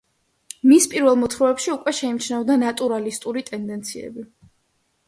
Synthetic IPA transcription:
mispʼiɾvɛlˠmɔt̪ʰɾɔɛpʃiukʼwɛʃɛimt͡ʃʰnɛvɔd̪anat̪ʼuɾalist̪ʼuɾit̪ʼɛnd̪ɛnt̪sʰiɛ̰bi

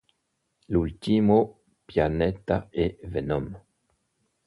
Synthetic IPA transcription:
lult̪imo | pjanet̪aevenɔm

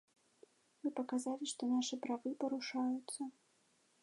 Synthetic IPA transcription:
mɨpɐkazalʲiʂt̪ɔnaʂɨpɾavɨpɐɾuʂajut̪sːɐ

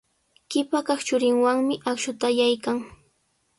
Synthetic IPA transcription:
kɪpakɑχt͡ʃʊɾɪŋwaŋmɪʔakʃʊt̪ajajkaŋ

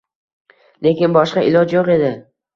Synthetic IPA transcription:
le̞kʲɪnbɒʃqɑɪlɒd͡ʒjoqe̞d̪ɪ

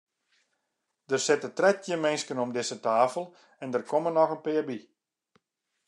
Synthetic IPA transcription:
d̥ərsɪtətrɛt̚jəmɪnskənɔmdɪsətaːfəlˠ | ɛndərkomənɔxənpɪːbi

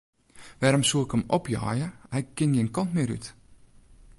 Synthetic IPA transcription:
ʋɛːɾɔmsuɪkəmɔpjɔ̰ːjəɛkːɪnjɪːənkɔntmɪːɾy̰t

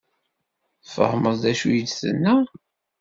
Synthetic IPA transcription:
fə̰hməzˤd̪æʃujəd̪θə̰nːæ

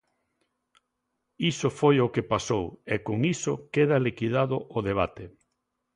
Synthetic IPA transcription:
isofojokepasowekoŋisokeðalikiðaðʊʔoðeβ̞at̪e

